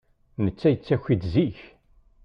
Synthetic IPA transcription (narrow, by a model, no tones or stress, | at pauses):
nət͡sːæjət͡sːæçʷid̪ziç